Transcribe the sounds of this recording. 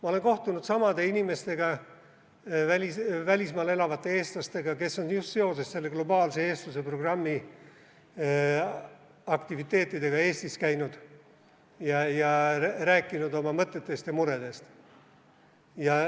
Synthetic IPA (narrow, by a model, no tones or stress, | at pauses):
mɑo̞le̞ŋko̞ht̪unud̪̥sɑmɑd̪̥e̞inime̞st̪e̞ɡ̥ɑ | vælʲisvælʲismɑːle̞lɑvɑt̪ˑːe̞e̞ːst̪lɑst̪e̞ɡɑke̞sːo̞njust̪se̞o̞se̞sse̞lːe̞ɡ̥lo̞bɑːlse̞e̞ːst̪use̞pro̞ɡ̥rɑmːi | ɑkt̪ivit̪ˑːe̞ːt̪ːˑid̪̥e̞ɡ̥ɑe̞ːst̪iskæjnud̪̥ | jɑjɑræːkːˑinud̪o̞mɑmɤt̪ˑːe̞t̪ːˑe̞st̪jɑmuɾe̞d̪̥e̞st̪ | jɑ